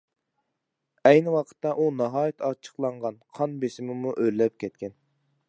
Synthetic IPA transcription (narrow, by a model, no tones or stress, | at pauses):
ɛjnɪwɑqʰə̥t̪ːɑʔunɑɦɑːjit̪ʰɑt͡ʃʰə̥qlˠɑɴʁɑnqʰɑnbesɪmɪmuʔøllːɛp̚kʲʰɛt̪̚kʲɛn